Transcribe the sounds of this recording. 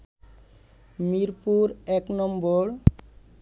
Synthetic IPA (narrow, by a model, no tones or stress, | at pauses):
miɾpuɾɛknɔmboɾ